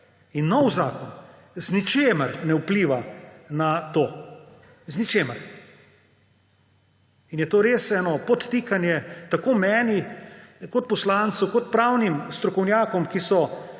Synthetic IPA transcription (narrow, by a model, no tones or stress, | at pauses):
inːɔwzaːkɔn | znit͡ʃeːməɾnɛupliːʋanat̪oː | znit͡ʃeːməɾ | injɛt̪oːɾeːsɛːnɔpɔt̪t̪ːiːkanjɛt̪akoːmɛːnikɔt̪̚pɔslant̪sukɔt̪̚pɾawnimst̪ɾɔkɔwnjaːkɔmkisɔ